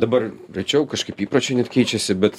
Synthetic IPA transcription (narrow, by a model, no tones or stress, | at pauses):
d̪ɐbɐrɾʲɛɪt͡ʃʲɛʊkɐʃkɐɪpiːpɾoːt͡ʃʲenʲɛt̪kʲɛɪt͡ʃʲɛsʲɪbʲɛt̪